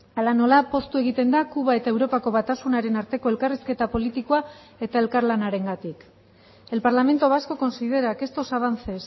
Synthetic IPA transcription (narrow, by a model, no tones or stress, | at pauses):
alano̞lapo̞st̪ue̞ɣit̪e̞nd̪akuβ̞ae̞t̪ae̞wɾo̞pako̞βat̪asunaɾe̞naɾt̪e̞ko̞e̞lkariske̞t̪apo̞lit̪ikoa | e̞t̪ae̞lkaɾlanaɾe̞ŋɡat̪ik | e̞lpaɾlame̞nt̪o̞βasko̞ko̞nsið̞e̞ɾake̞st̪o̞saβ̞ant͡se̞s